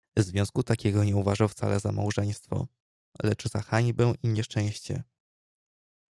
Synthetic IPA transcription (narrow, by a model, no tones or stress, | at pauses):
vzvʲjɔ̃w̃skut̪akʲɛɡɔɲɛuvaʐaft̪sa̰lɛzamawʐɛj̃st̪fɔ̰ | lɛt͡ʂz̥axaɲbɛ̃w̃ʔiɲɛʂt͡ʂɛ̃w̃ɕt͡ɕɛ̰